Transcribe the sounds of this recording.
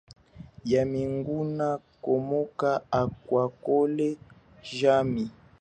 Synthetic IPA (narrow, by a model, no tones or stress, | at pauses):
jamiŋɡuna | komokaakwakole | ʒami